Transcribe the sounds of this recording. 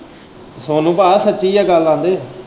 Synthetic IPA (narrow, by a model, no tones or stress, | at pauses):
soːnũːbaːsətːʃiːjaːɡəlːãːnd̪eː